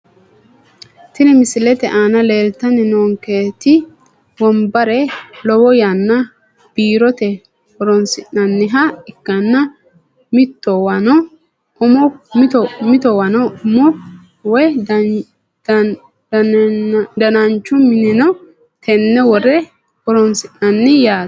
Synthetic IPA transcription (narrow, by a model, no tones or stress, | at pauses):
t̪ɪnɛmɪsɪlɛt̪ɛʔaːnɐleːlt̪ːɐnɪnoːŋkeːt̪ɪ | wɔmbɐɾɛlɔwɔjanːɐ | b̥iːɾɔt̪ɛ | wɔɾɔnsɪnːɐnːɪɦɐɪkːɐnːɐ | mɪt̪ːɔwɐnɔ | ʊmɔmt̪ɔmɪt̪ɔwɐnɔʊmɔ | wɔj | d̪ɐnɐnt͡ʃːʊmɪnɪnɔ | t̪ʰɛnːɛwɔrɛ | ɔɾɔnsɪnnɐnːɪjaː